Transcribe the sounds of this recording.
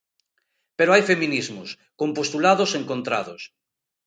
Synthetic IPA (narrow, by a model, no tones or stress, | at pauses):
peɾoajfemĩnizmʊs | kompost̪ulaðoseŋkõnt̪ɾa̰ðos